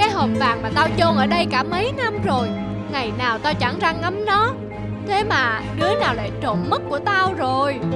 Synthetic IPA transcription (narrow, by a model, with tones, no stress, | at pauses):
kaː˨˦jho˨˩mvaː˨˩ŋmaː˨˩t̪aː˧wt͡ɕo˧nʔəː˧˩ɗə˧jkaː˧˩mə˨˦jna˧mzo˨˩j | ŋa˨˩jnaː˨˩wt̪aː˧wt͡ɕa˧˩ŋza˧ŋŋa˨˦mnɔ˨˦ | t̪ʰe˨˦maː˨˩ɗɨ˨˦ənaː˨˩wla̰ː˧˩jt͡ɕo̰˧˩nmə˦˥t̚ku˧˩ət̪a˧wzo˨˩j